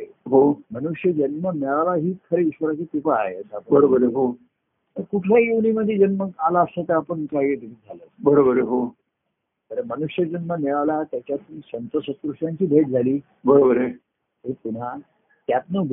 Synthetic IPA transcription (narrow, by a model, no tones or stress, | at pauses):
ɦomənuʂjəd͡ʑənmənɛɭalaɦiːk̪ʰəɾeiɕʋəɾat͡ɕet̪ipaa̰ɦeəsaːpəbəɾobəɾeɦo | əkuʈʰjajiʋniməd̪ʱːjed͡ʑənməɡalaːsət̪əapəɳkaɦiet̪iʈʰed͡zʱaləːbəɾobəɾeɦo | t̪əɾemənuʂjəd͡ʑənmənɛɭalat̪jat͡ɕjat̪unisənt̪əsə̃kɾuʂʈjãɲt͡ɕiːbʱeʈ̚d͡zʱaliː | bəɾobəɾe | ɦep̪un̤a | t̪jat̪nəɡ